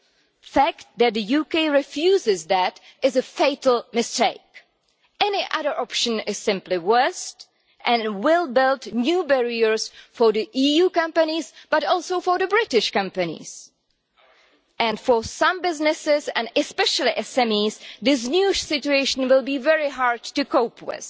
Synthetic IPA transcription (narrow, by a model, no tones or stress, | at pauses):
fæk̚t̪̚ðæt̪̚d̪ɨjuːkeɪɹɪfjuːzɪzðætɪzəfeɪtl̩ˠmɪsteɪk | ɛnɪʔʌðə˞ʔɔpʃə̃nɪz̥sɪ̃mplɪwɜ˞st | ʔɛ̃nwɪlˠbɪlˠtnjuːbɛɹiəɹsfɔɹðiʔijukʌ̃mpənizb̥atɔlˠsoʊfɔɹðəbɹɪtɪʃkʌ̃mpɨnḭs | ʔɛ̃nfɔsʌ̃mbɪznɪsɪzɛ̃nɛspɛʃəlˠiʔɛsɛ̃mizðɪs̬njuʃsɪt͡ʃueɪʃə̃n̩wɪlˠbiːvɛɹɪɦaɹd̚tukoʊpʰwɪ̰ð̥